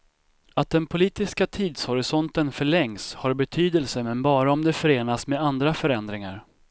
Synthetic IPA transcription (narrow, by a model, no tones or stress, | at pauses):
at̪̚d̪ɛnpʰʊliːt̪ɪskat̪ʰiːd̪shɔɾɪsɔnt̪ənfœɭɛŋshaɾbɛt̪ʰyːd̪ɛlsəmɛnbɑːɾaɔmd̪ɛfœɾeːnasmeːd̪and̪ɾafœɾɛnd̪ɾɪŋa̰ɾ